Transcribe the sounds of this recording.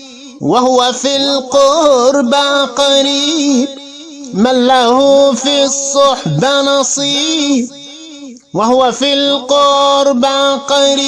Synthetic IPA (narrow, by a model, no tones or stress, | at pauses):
wahʊwafilqʊɾbaqɑɾiːb | malːahʊfisˤːʊħbanɑsˤiːb | wahʊwafilqʊɾbaqɑɾiː